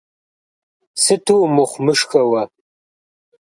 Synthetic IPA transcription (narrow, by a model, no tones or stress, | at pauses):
sɨtʰuwmɨχʷmɨʂxɐwɐ